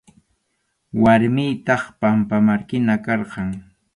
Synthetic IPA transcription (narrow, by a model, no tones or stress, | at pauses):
waɾmɪjt̪ɑχpampamaɾkɪnakɑɾɢɑŋ